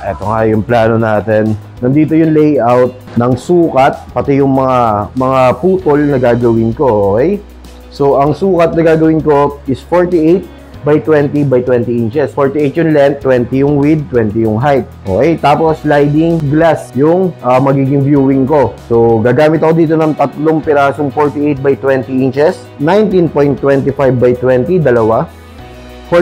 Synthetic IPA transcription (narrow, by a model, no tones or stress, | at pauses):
ʔɛ̰ːt̪oŋajʊŋplaːno̞naːt̪ɛn | nɐnd̪iːt̪ojʊŋlejʔawt̪̚nɐŋsuːkɐt̪̚pɐt̪ɪjʊŋmɐŋamɐŋapuːt̪olnɐɡaːɡɐwɪnko̞ʔoːkɛj | so̞ʔɐŋsuːkɐt̪̚nɐɡaːɡɐwɪnko̞ʔɪsfoɹt̪iʔejt̪̚ | bɐjt̪wɛnt̪ibɐjt̪wɛnt̪ɪɪnt͡ʃɛsfoːɹt̪iʔejt̪̚jʊŋlɛnt̪ːwɛnt̪ijʊŋwɪd̪̚t̪wɛnt̪ijʊŋɦajt̪̚ʔoːkɛjt̪aːpo̞slajd̪ɪŋɡlasjʊŋʔɐmɐɡiːɡɪŋbjuːwɪŋko̞soɡaːɡaːmɪt̪ɐkod̪iːt̪o̞nɐŋt̪ɐt̪loŋpɪɾaːsoŋfoɹt̪ɪʔejt̪̚bɐjt̪wɛnt̪ɪʔɪnt͡ʃɛs | najnt̪inpoj̃nt̪ːwɛnt̪ɪfajvbajt̪wɛnt̪id̪ɐlɐwa | fo